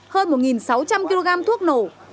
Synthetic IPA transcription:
həː˧nmo˨˩t̚ŋi˨˩nsa˨˦wt͡ɕa˧mki˧lo˧ɣaː˧mt̪ʰu˦˥ək̚no˨˩

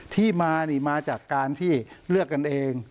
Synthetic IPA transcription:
t̪ʰiː˥˩maː˧niː˨˩maː˧t͡ɕaː˨˩kːaː˧nt̪ʰiː˥˩ɾɯ˥˩əkːa˧nʔeː˧ŋ

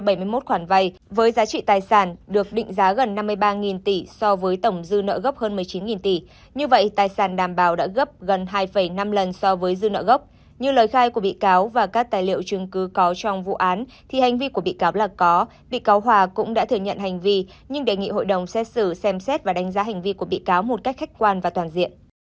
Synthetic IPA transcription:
ɓə˧˩jmɨ˧əjmo˦˥t̚xwaː˧˩nva˧j | vəː˨˦jzaː˨˦t͡ɕḭ˧˨t̪aː˨˩jsaː˧˩nɗɨ˨˩ək̚ɗḭ˧˨ŋ̟zaː˨˦ɣə˨˩nːa˧mːɨ˧əjɓaː˧ŋi˨˩nt̪i˧˩sɔ˧vəː˨˦jt̪ə˧˩wŋ͡mzɨ˧nə̰ː˧˨ɣə˦˥p̚həː˧nmɨ˨˩əjt͡ɕi˨˦nŋi˨˩nt̪i˧˩ | ɲɨ˧və̰˧˨jt̪aː˨˩jsaː˧˩nɗaː˨˩mɓaː˨˩wɗa̰ː˧˥ɣə˦˥p̚ɣə˨˩nɦaː˧jfə˧˩jna˧mlə˨˩nsɔ˧vəː˨˦jzɨ˧nə̰ː˧˨ɣə˦˥wp̚ | ɲɨ˧ləː˨˩jxaː˧jku˧˩əɓḭ˧˨kaː˨˦wvaː˨˩kaː˦˥k̚t̪aː˨˩jlḭ˧˨ə˨wt͡ɕɨ˨˧əŋkɨ˨˦kɔ˨˦t͡ɕɔ˧wŋ͡mvṵ˧˨ʔaː˨˦n | t̪ʰi˨˩ha˨˩jŋ̟vi˧ku˧˩əɓḭ˧˨kaː˨˦wlaː˨˩kɔ˨˦ | ɓḭ˧˨kaː˨˦wɦwaː˧˩kʊ̰˧˥ŋ͡mɗa̰ː˧˥t̪ʰɨ˧˩əɲə̰˧˨nha˨˩jŋ̟vi˧ | ɲɨ˧ŋɗe˨˩jŋḭ˧˨ɦo̰˧˨jɗə˨˩wŋ͡msɛ˦˥t̚sɨ˧˩sɛ˧msɛ˦˥t̚vaː˨˩ɗa˨˦ŋ̟zaː˨˦ɦa˨˩jŋ̟vi˧ku˧˩əɓḭ˧˨kaː˨˦wmo˨˩t̚ka˦˥k̟xa˦˥k̚kwaː˧nvaː˨˩t̪waː˨˩nzḭ˧˨ən

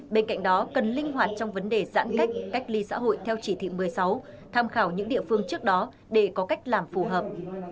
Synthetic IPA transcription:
ɓe˧nka̰˧˨jŋ̟̚ɗɔ˨˦kə˨˩nlï˧ŋ̟ɦwaː˨˩t̚t͡ɕɔ˧wŋ͡mvə˨˦nɗe˨˩za̰ː˧˥nka˦˥jk̟̚ka˦˥jk̟̚li˧sa̰ː˧˥ɦo̰˧˨jt̪ʰɛ˧wt͡ɕi˧˩t̪ʰḭ˧˨mɨ˨˩əjsa˨˦w | t̪ʰaː˧mxaː˧˩wɲɨ̰˧˥ŋɗḭ˧˨əfɨ˧əŋt͡ɕɨ˦˥ək̚ɗɔ˨˦ | ɗe˧˩kɔ˨˦ka˦˥jk̟̚laː˨˩mfu˧˩ɦəː˨˩p̚

